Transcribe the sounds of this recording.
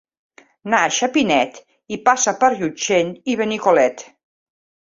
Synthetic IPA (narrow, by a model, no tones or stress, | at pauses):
naʃapinɛt̪ | ipasapəɾʎut͡ʃeniβenikolɛt̪